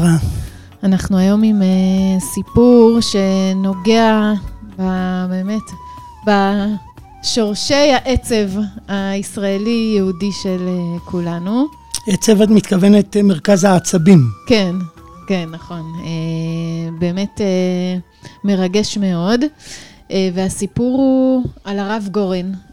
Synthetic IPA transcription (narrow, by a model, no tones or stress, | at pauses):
ʁa | anaχnuajo̞mimesipuʁʃe̞no̞ɡe̞ababe̞ːme̞t | ba | ʃo̞ʁʃe̞jhaʔet͡se̞vaisʁaelijeudiʃe̞lekʰulanu | et͡sevatmit̪kavenetmeʁkazhaːt͡sabimke̞n | ke̞nːaχo̞ne | be̞ːme̞te | me̞ʁaɡe̞ʃme̞o̞d | ʔeve̞asipuʁualaʁavɡoʁen